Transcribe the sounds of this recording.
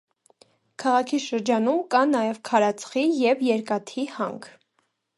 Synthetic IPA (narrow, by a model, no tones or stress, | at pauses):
kʰɑʁɑkʰiʃəɾd͡ʒɑnumkɑnɑjɛvkʰɑɾɑt͡sʰχijɛvjɛɾkɑt̪ʰihɑ̰ŋkʰ